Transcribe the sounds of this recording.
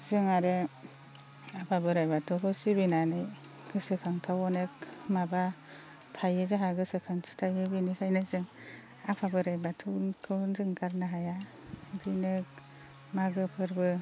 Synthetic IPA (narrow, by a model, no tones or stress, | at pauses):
z̥ɯŋaɾɯ | apʰabɯɾajbatʰɔkɯsibinanɯj | ɡ̥ɯsɯkʰaŋtʰawɔnek̚maba | tʰajɯzaɦaɡɯsɯkʰaŋsi̥tʰajɯbinikʰajnɯzɯŋ | apʰabɯɾajbatʰɯkʰɯnzɯŋkaɾnaɦaja | dɯnɯk̚ | maɡɯpʰɯɾbɯ